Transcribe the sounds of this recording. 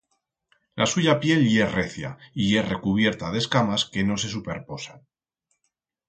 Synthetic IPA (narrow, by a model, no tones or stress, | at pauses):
lʔa̰suʝapje̞lje̞re̞θja̰ie̞re̞kuβ̞je̞ɾt̪að̞e̞skamaske̞no̞se̞supe̞ɾpo̞san